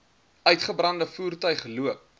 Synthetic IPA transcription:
ʔœɥtχəbrɐndəfuːrtœɥχluəp̚

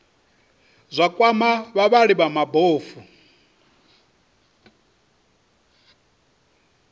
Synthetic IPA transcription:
zʷakʼwamaβaβaɺiβamaboːfu

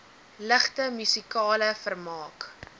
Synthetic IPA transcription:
ləχtəmysikɑːləfərmɑːk

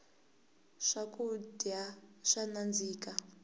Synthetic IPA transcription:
ʂakudaʂanand͡ziːka

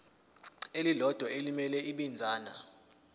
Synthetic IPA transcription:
elilɔd̥ʱwaelimɛlɛiɓind͡zʱaːna

